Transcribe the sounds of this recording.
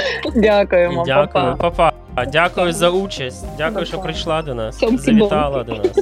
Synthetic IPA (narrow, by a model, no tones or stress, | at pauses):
dʲakʊjʊmɐdʲakʊjʊpɐpa | dʲakʊjʊzɐut͡ʃɐsʲtʲdʲakʊjʊʃɔpɾɪʃlˠad̪ɔnassɔmzɐvɪt̪alˠɐd̪ɔnas